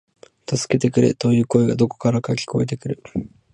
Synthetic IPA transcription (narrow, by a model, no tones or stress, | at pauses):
t̪asɨ̥ke̞t̪e̞kɯ̟ɾe̞̰t̪o̞jɯ̟ːko̞eɡad̪o̞ko̞̥kaɾakakʲi̥kʰo̞e̞t̪̬e̞kɯ̟ɾɯ̟